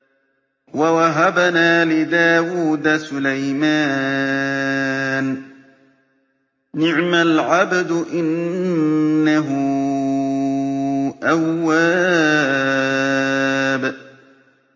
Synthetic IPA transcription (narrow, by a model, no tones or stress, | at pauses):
wawaɦabanaːlɪd̪aːwuːd̪asʊlajmaː | n | ɪʕmalʕabd̪ʔɪnː | aɦʊ | ʔawːaː | b